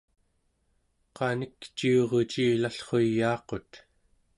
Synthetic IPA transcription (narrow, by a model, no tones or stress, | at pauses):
qɑnikt͡ʃioʁot͡ʃiːlaɬχo̞jːɑːqo̞t̪